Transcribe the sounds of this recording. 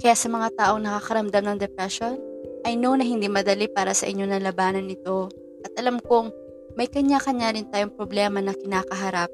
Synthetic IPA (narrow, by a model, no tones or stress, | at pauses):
kɐjaːsɐmɐŋat̪aːʔo̞ŋnɐkakɐɾɐmd̪amnɐŋd̪ɛpɾɛʃo̞nʔɐjnonɐɦɪnd̪iːmɐd̪ɐlipaːɾɐsɐ̰ʔɪɲːo̞nɐlɐbaːnɐnːɪt̪o̞ | ʔɐt̪̚ʔɐlamkoŋ | mɐjkɐɲakɐɲaɾɪnt̪aːjoŋpɾoblɛːmɐnɐkɪnaːkɐɦɐɾap̚